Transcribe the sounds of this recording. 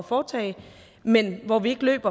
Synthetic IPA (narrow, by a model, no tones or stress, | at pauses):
fɒːt͡sʰɛ̰ɪ | menʋɒʋie̝ɡ̥əlø̰ːb̥ɐ